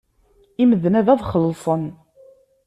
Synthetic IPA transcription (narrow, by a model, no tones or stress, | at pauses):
iməðnæðæðˤχəlːsˤən